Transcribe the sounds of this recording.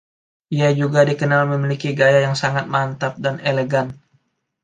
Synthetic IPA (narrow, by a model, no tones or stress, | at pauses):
ʔiad͡ʒuɡadikənalməmilikiɡajajaŋsaŋat̪̚mant̪ap̚daneleɡan